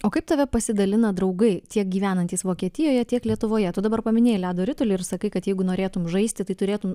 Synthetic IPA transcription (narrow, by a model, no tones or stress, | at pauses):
oːkɐɪp̚t̪ɐʋʲɛpɐsʲɪd̪ɐlʲɪnɐd̪ɾɐʊɡɐɪt̪ʲiɛk̚ɡʲiːʋʲæːnɐnʲt̪ʲiːsʋoːkʲiɛt̪ʲɪjoːjɛt̪ʲiɛklʲiɛt̪ʊʋoːjɛt̪ʊd̪ɐbɐɾpɐmʲɪnʲeːjlʲæːd̪oːɾʲɪt̪olʲɪɪɾsɐkɐɪkɐt̪jɛɪɡʊnoːɾʲeːt̪ʊmʒɐɪst̪ʲɪt̪ɐɪt̪ʊɾʲeːt̪ʊm